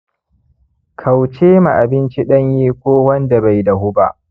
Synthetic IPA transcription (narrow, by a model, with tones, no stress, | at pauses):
kʰa˨wt͡ʃeː˦ma˨ʔa˨bɪ˦nt͡ʃi˦ɗɐ˦ɲjiː˦kʷoː˦wɐ˦nda˨ba˨jda˨ɦʊ˦ba̰˦˨ʔ